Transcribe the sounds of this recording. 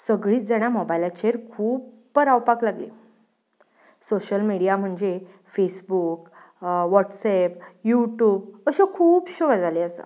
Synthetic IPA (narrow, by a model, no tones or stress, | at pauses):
səɡɭiːt͡sd͡zaɽ̃jamobajlat͡ɕeɾkʰuːb | pəɾawpaklaɡle | soɕəlmiɽijam̤əɳd͡ze | fesbuk | ʋɔʈsɛpjuʈjuːbəɕekʰuːpɕoɡad͡zaleəsa̰